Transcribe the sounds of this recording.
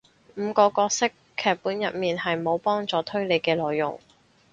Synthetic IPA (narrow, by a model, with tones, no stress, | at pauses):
m̩ː˨˧kɔː˧kɔː˧k̚sɪ˥kʰːɛː˨˧k̚puː˨˥njɐ˨t̚miː˨nhɐ˨jmo˨˧wpɔː˥ŋt͡sɔː˨˧t̪ʰɵ˥ɥle˨˧jkɛː˧lɔː˨jːʊ̰˨˩ŋ